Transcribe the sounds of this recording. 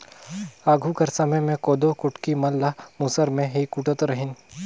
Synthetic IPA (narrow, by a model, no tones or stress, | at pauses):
aːɡʱukɐɾsɐməjmẽkoːd̪okʊʈkimɐlːamusəɾmẽɦikʊʈət̪ɾɐɦɪn